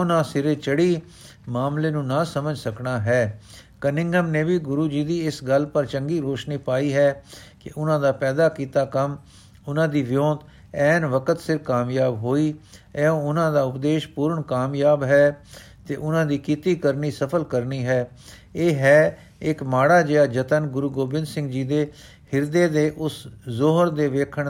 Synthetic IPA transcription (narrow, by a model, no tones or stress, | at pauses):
ʊnãːsɪɾeːt͡ʃəɽiː | maːmleːnũːnaːsəməd͡ʒsəknaːɦɛː | kənɪ̃ŋɡəmneːbiːɡʊɾuːd͡ʒiːd̪iːɪsɡəlpəɾt͡ʃəŋɡiːɾoːʃniːpaːiːɦɛːkɪʔʊnãːd̪aːpɛːd̪aːkiːt̪aːkəm | ʊnãːd̪iːʋɪjõːt̪ | ɛːnʋəkət̪sɪɾkaːmjaːbɦoːiːɛːõːʊnãːd̪aːʊpd̪eːʃpuːɾəɳkaːmjaːbɦɛː | t̪eːʔʊnãːd̪iːkiːt̪iːkəɾniːsəpʰəlkəɾniːɦɛː | eːɦɛː | ɪkmaːɽaːd͡ʒeːaːd͡ʒət̪ənɡʊɾuːɡoːbɪnd̪sɪ̃ŋɡd͡ʒiːd̪eː | hɪɾd̪eːd̪eːʔʊszoɦəɾd̪eːʋeːkʰəɳ